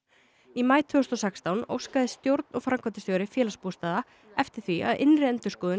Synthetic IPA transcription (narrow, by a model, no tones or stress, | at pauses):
imaːjt̪ʰvʏːʏst̪ɔsɛkst̪awno̰wskaðɪst̪jowɾt̪nɔɣfɾamkʰat̪ɪsœːwɾɪfjɛːlaspuːst̪aːða | ɛft̪ɪɾ̥θviʔa̰ðʔɪnrɪɛnt̪ʏɾ̥skɔːðɪ